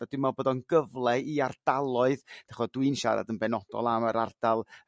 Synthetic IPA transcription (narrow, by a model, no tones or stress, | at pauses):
ad̥ɪmɔboːdɔnɡəvlˠɛiard̥alˠɔɨðd̥aχɔdwɨnʃa̰ɾa̰dənbɛnɔdɔ̰lˠaməɾard̥alˠ